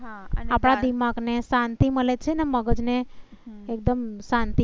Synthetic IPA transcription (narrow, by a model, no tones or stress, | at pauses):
ɦaapɽ̃ad̪imaɡnesãnt̪iməlet͡ʃʰeneməɡəd͡ʒneː | k̚d̪əmsãnt̪i